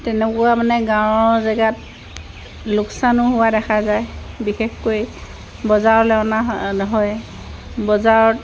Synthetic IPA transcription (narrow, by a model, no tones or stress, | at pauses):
tɛnɛkʊwamanɛɡãɹɔɹzaɡat̚ | lʊksanʊɦʊwadɛxʰazaj | bixexkoj | bɔzaɹɔlɛɔnanɔɦɔj | bɔzaɹɔt